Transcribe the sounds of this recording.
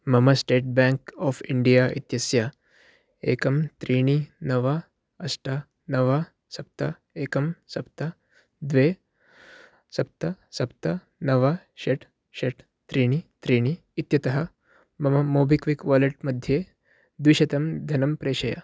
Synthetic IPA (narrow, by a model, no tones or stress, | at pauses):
mɐmɐsʈeːʈ̚bɛ̃ŋkɔːfiɳɖijaʔḭt̪jɐsja | ḛːkɐmt̪ɾiːɽ̃inɐʋa | ɐsʈa | nɐʋa | sɐp̚t̪ɐ | eːkɐmsɐpt̪ɐ | d̪ʋe | sɐp̚t̪ɐsɐp̚t̪ɐ | nɐʋa | ʃeʈ | ʃeʈ | t̪ɾiːɽ̃it̪ɾiːɽ̃iːt̪jɐt̪ɐɦɐ | mɐmɐmoːbikʋikʋaːleʈ̚mɐd̪ʱje | d̪ʋiʃɐt̪ɐmd̪ʱɐnɐmpɾeːɕɐja̰